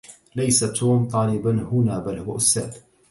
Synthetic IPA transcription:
lajsat̪ʰuːmt̪ˤɑːlɪbanhʊnaːbalhʊwaʔʊst̪a̰ːd̪

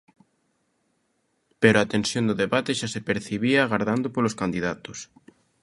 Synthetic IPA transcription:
peɾoat̪ẽnsjond̪oðeβat̪eʃasepeɾθiβiaːɣaɾðand̪opoloskand̪iðat̪o̥s

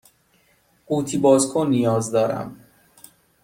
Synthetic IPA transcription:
uːt̪ʰibɒːzkʰonijɒːzd̪ɒːɾæ̰m

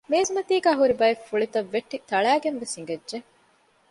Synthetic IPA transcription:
meːzumɐt̪iːɡæːɦuɾibɐefːuɭit̪ɐʋːeʈːit̪ɐɭæːɡenʋesiŋɡɐdːʒe

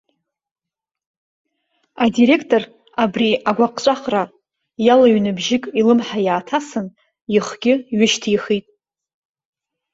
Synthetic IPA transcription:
adiɾe̞kʰtʼo̞r | abriaɡʷaqʼt͡ʃʷʼaχra | jalaɥnɨbʒɪkʼilɨmħajaːtʰasɨn | jɪχɡ̥ʲɪɥɪʃtʰiχitʼ

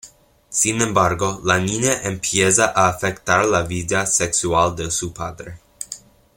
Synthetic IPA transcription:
sinɛmbaɾɡolaninjeʔempʰjezaʔaːfɛkt̪aɾlavid̪asɛksuald̪esupʰad̪ɾe

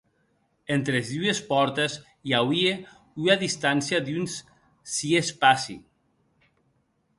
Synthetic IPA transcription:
ent̪ɾezðuespɔɾt̪ez | jawie | uaðist̪ansiad̪yns | siespasḭ

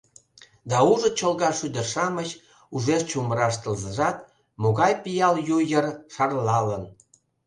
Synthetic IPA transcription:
d̪ɑuʒə̆t͡ɕolɣɑʃyd̪ə̆ʃɑmət͡ɕ | uʒest͡ɕuməɾɑʃt̪əlzəʒɑt̪ | moɣɑjpijɑljujərʃɑrlɑlən

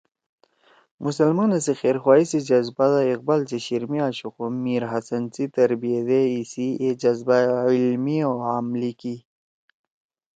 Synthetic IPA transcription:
mʔusəlmanasixeːɾxwaːisid͡ʑɐzbad̪aiq̚balt͡siɕiɾmiaɕuxumːiɾɦɐsɐnt͡sit̪ɐɾbijed̪eisied͡ʑɐzbailmioamliki

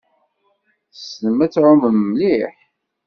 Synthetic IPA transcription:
θsnəmæt͡sːʕʊməmːliħ

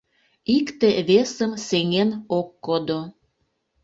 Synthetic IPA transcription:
ikt̪eβesəmseŋenokːod̪o

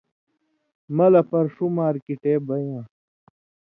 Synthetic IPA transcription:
mɐlɐpɐɾʂumaːɾkiʈeːbɐjãː

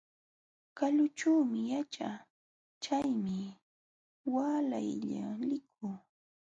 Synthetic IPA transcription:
kaʎʊt͡ʃuːmɪjat͡ʃa | t͡ʃajmɪ | waːla̰jʎa̰lɪk̚ʰʊː

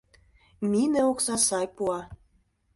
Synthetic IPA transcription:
minĕoksɑsɑjpuɑ

